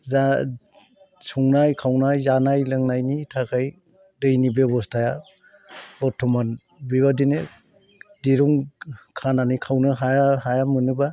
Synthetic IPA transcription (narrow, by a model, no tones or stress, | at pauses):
za | suŋnajkʰawnajzanajlɯŋnajnitʰakʰaj | dɯjnibebɔstʰaja | ɔtʰɔman | biβadinɯ | diɾuŋkʰananikʰawnɯɦajaɦajamɯnɯba